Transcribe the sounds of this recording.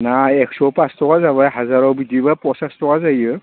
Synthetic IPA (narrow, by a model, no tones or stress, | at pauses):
naɛksɔpastʰɔkazaβajɦazaɾɔwbidibapɔsastʰɔkazajɯ